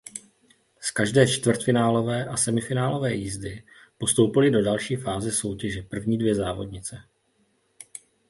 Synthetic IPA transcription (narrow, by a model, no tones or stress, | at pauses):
skaʒdɛːt͡ʃt̪vr̩t̪fɪnaːlo̞vɛːʔasɛmɪfɪnaːlo̞vɛːjiːzdɪ | po̞st̪owpɪlɪdo̞dalʃiːfaːzɪso̞wcɛʒɛpr̩vɲiːdvjɛzaːvo̞dɲɪt͡sɛ